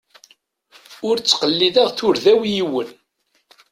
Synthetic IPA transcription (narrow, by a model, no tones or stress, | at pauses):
ʊɾt͡sːqəlːiðæʁθʊɾðæwjiwən